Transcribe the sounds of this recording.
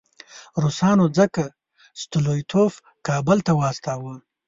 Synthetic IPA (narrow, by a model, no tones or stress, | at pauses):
ɾusɑːnod͡zəka | st̪ʊlojt̪ʰof | kɑːbəlt̪awɑːst̪ɑːwə